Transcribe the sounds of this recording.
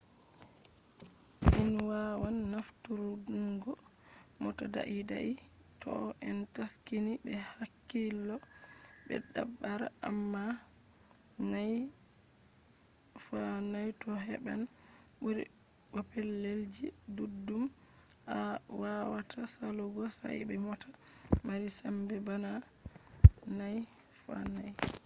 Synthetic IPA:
ʔinwawanːaftuɾuduŋɡɔ | mɔtada̰ʔida̰ʔi | tʰɔ̰ʔɛntaskːinibɛhakːilːɔ | bɛ̰dabːaɾa̰ʔamːa | naj | fanajtɔɦɛbanbuɾḭbɔpɛlːeld͡ʒidudːum | awawatʰasalɔɡɔsa̰jbɛmɔtamaɾisambɛbana | najfa̰naj

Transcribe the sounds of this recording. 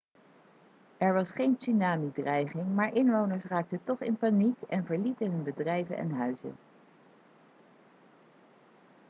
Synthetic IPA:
ɛɹʋɑsχejnsynaːmidrɛjχɪŋmaːɹʔɪnʋownəɹsraːk̚tətɔχɪ̰npanikɛnvəɹlitəɦɵnbədrɛjvə̰nɛ̰nɦœɥzə̰

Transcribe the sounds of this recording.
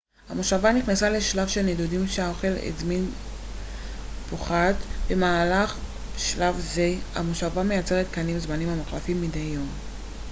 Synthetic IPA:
hamoʃavaniχnasale̞ʃlavʃelnedudimʃeaoχe̞lḛzmin | poχatbe̞maːlaχ | ʃlavzea̰moʃavame̞jat͡se̞ʁet̪kanimzmanimamaχlafimːidejːo̞m

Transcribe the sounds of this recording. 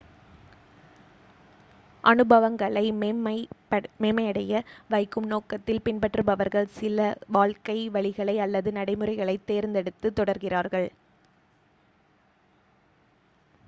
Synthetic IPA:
ʔɐnɯbɐʋɐŋɡɐɭɐɪm | meːmɐɪɐɽɐjɐʋɐɪkːɯmnoːkɐt̪ːɪlpɪnpɐʈrɯbɐʋɐɾɣɐɭsɪlɐʋaːɭkɐɪʋɐɭɪɣɐɭɐɪɐlːɐðɯnɐɽɐɪmɯrɐɪɣɐɭɐɪt̪ːeːɾnd̪ɛɽɯt̪ːɯt̪ːɔɽɐɾɣɪraːɾɣɐɭ

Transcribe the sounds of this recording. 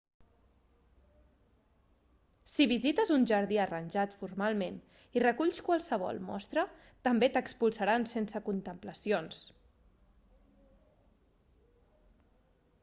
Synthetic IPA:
siβizit̪əzunʒəɾðiərənʲʒat̪fuɾmalˠmen | irəkuʎskwalˠsəβ̞ɔ̰lˠmɔ̰st̪ɾə | t̪əmbet̪əkspulˠsaɾansensəkunt̪əmpləsions

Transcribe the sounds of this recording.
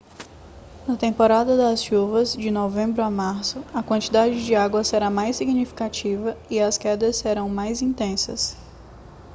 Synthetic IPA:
nɐt̪ẽmpoɾad̪ɐd̪ɐsʃuvɐzd͡ʒɪnovẽmbɾʊamaɾsʊɐkwɐ̃nt͡ʃid̪ad͡ʒɪd͡ʒɪaɡwɐseɾamajsiɡnifi̥kat͡ʃivɐiɐskɛd̪ɐsːeɾɐ̃w̃majzĩnt̪ẽsɐ̰s

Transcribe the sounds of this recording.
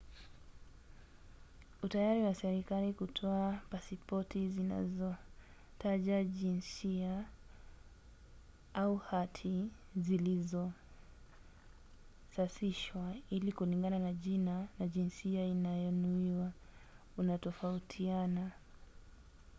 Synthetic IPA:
utajaɾiwasɛɾikalikutʰɔapasipɔtʰizina̰zɔ | taʄaʄinsia | auhatʰi | zilizɔ | sasiʃwailikuliŋɡananaʄinanaʄinsiainajɔnuiwa | unatɔfautʰiana

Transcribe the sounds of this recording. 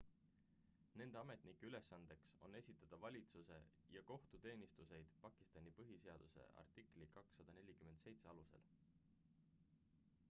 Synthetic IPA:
ne̞nd̪̥e̞ɑme̞t̪nikːeyle̞sːɑnd̪̥e̞kso̞̰nːe̞sʲit̪ːˑɑd̪̥ɑvɑlʲit̪suse̞̰ | jɑko̞ht̪ut̪e̞ːnʲist̪use̞jd̪̥pɑkːˑi̥st̪ɑnʲipɤɦiseɑd̪̥use̞̰ʔɑ̰rt̪ˑikˑlikɑksːɑd̪̥ɑne̞lʲikyment̪se̞jt̪se̞ɑluse̞̰l

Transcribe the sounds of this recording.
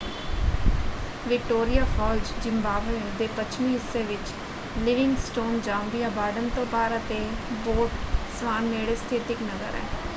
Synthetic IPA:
ʋɪk̚ʈoːɾijaːpʰɔːld͡ʒd͡ʒɪmbaːʋeːd̪eːpət͡ʃʰmiːɦɪsːeːʋɪt͡ʃ | lɪʋɪŋɡsʈoːnd͡ʒãːmbijaːbaːɖənt̪õːpaːɾət̪eːboːʈsʋaːnmeːɽeːst̪ʰɪt̪ɪknəzə̰ɾɛ̰ː

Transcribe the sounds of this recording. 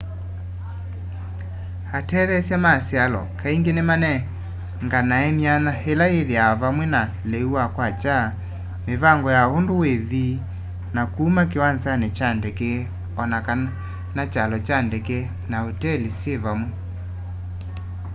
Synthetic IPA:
atɛðɛsjamasjalɔ̰kaiŋɡenemanɛ | ŋɡanaɛmianahelajeðiaβamwena | lɛuwakwat͡ʃa | meβaŋɡɔjaondoweði | nakuːmakewansanɛt͡ʃandɛke | ɔnaka | nat͡ʃalɔt͡ʃandɛke | naotɛlisjeβamwe

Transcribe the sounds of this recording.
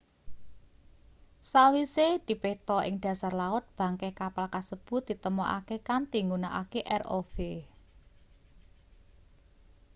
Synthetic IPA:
sawised̪̥i̤pet̪ɔʔɪ̰ŋɖ̥ä̤sarlaʊt̪̚b̥ä̤ŋkekapalkasəb̥ʊ̤t̪̚d̪̥i̤t̪əmɔʔa̰kekant̪iŋɡunaʔa̰keʔɛro̰fe

